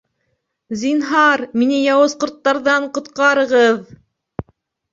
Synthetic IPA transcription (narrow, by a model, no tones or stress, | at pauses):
zinɦɑɾminɘjɑwɤ̆sqŏɾt̪ːɑɾðɑɴqŏt̪qɑɾɤ̆ʁɤð